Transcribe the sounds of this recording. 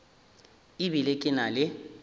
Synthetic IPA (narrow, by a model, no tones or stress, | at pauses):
ibilɪkʼɪnalɪ